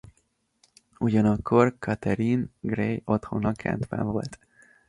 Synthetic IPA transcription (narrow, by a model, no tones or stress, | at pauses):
uɟɒnɒkʰːo̞rkʰɒt̪ɛɾinɡrejo̞t̪ho̞̰nɒkʰɛ̰nt̪bɛ̰ɱvo̞̰lt̪